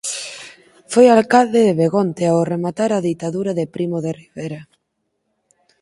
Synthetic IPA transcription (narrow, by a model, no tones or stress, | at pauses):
fojalkald̪eðeβeɣont̪eaoremat̪aɾaðit̪aðuɾaðepɾimoðeriβeɾa